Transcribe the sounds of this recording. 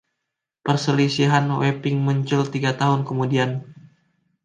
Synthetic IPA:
pərsəlisiɦanwepɪŋmuɲt͡ʃʊlt̪iɡat̪aɦʊnkəmudian

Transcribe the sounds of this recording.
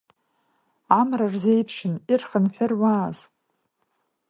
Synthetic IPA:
amrarzejpʰʃɨnirχənħʷᶣʊrwaːz

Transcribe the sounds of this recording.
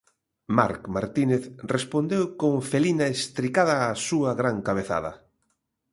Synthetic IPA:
ma̰ɾkma̰ɾt̪ineθrespond̪ewkoŋfelinaest̪ɾikaðɐːsuɐɣɾaŋkaβ̞eθa̰ðɐ̰

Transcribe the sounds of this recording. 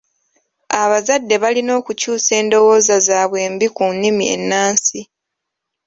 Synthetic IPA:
aβazadːe̞βalino̞ːkucuːse̞ːndo̞wo̞ːzazaːβwe̞ːmbikunːimie̞̰nːaːnsi

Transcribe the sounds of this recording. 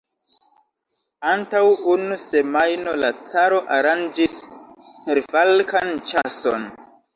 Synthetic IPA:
antawunuse̞majno̞lat͡saɾo̞ʔaɾand͡ʒis | eɾfalkant͡ʃaso̰n

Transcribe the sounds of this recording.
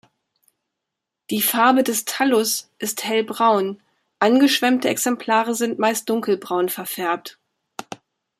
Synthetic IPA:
d̥iːfaɐbədɛstʰalʊsʔɪsthɛlbʁaʊn | ʔanɡəʃv̥ɛmtəɛksɛmpʰl̥aːʁəzɪntmaɪst̚d̥ʊŋkl̩bʁaʊnfɛɐfɛɐp̚t

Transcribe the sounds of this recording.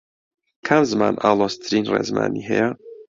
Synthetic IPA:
kʰamzɨmaːnʔaːlˠoːst̪ʰɨɾiːnreːzma̰ːniːɦɛjɛ

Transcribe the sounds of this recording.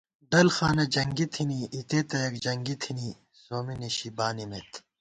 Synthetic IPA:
ɖɐlxaːnɐd͡ʑɐŋɡit̪ʰiniʔit̪et̪ɐjɐkd͡ʑɐŋɡit̪ʰini | ssoːminiɕibaːnimet̪ʰ

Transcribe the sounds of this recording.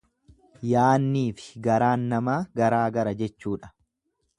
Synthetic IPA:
jaːnːiːfɪ̥ɡɐɾaːnːɐmaːɡɐɾaːɡɐɾɐd͡ʒɛt͡ʃːuːᶑɐ̥

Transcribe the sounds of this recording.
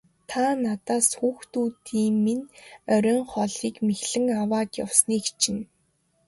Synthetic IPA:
t̪ʰanat̪aːsxuːxt̪uːt̪iːŋminœɾʲœːŋχɔɮiːkmexɮɘ̆ŋawaːt̪jɔ̰wsniːkt͡ɕʰɪ̆n

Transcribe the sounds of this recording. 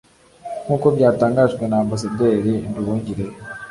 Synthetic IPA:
nuːko̞bɟaːtaːŋɡaʒɡwe̞naːmbas̬ade̞ːɾinduβuːɲɟiɾe

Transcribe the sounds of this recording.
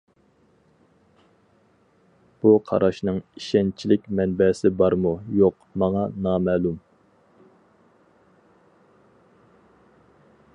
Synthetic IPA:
b̥uqʰɑ̰ɾɑʃnɨŋiʃɛnt͡ʃʰilɪkʲmɛnbɛsɪbɑɾmujoq | mɑŋɑnɑːmɛːlˠum

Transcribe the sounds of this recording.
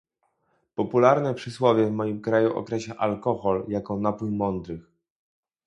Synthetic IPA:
pɔpulaɾnɛpʂɘswɔvʲjɛvmɔjimkɾajuʔɔ̰kɾɛɕɛʔalkɔxɔljakɔnapujmɔnd̪ɾɘx

